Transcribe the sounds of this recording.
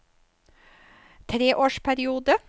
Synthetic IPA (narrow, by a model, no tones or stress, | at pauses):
t̪ʰɾeːʔoːʃpʰæɾɪuːd̪ə